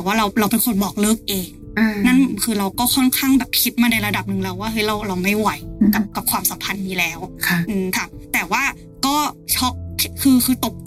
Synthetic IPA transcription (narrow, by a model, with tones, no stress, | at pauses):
ɛː˨˩waː˥˩ɾa˧wɾa˧wpe˧nkʰo˧nbɔː˨˩k̚lɤː˥˩k̚ʔeː˧ŋ | ʔɯ˧na˥˨nkʰɯː˧ɾa˧wkɔː˥˩kʰɔ˥˩nkʰaː˥˩ŋbɛː˨˩p̚kʰi˦˥t̪̚maː˧na˧jɾa˧da˨˩p̚nɯ˨˩ŋlɛ˦˧wːaː˥˩ɦɤ˦˥jɾa˧wɾa˧wma˥˩jwa˨˦jka˨˩p̚ka˨˩p̚kʰwaː˧msa˨˩˦mpʰa˧nːiː˧lɛː˦˥wkʰa˧˩ʔɯː˧mt̪ʰa˦˥˩t̪ɛː˨˩waː˥˩ | kɔː˥˩t͡ɕʰɔ˦˥k̚ʰi˦kʰɯː˧kʰɯː˧t̪o˨˩p̚